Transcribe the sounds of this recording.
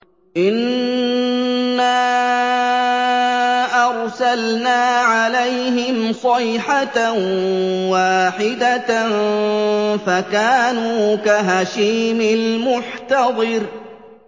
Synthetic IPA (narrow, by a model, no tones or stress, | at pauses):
ʔɪn | aː | ʔɑɾˤsalnaːʕalajɦɪmsˤɑjħat | waːħɪd̪a | fakaːnuːkaɦaʃiːmɪlmʊħt̪ɑðˤɨɾ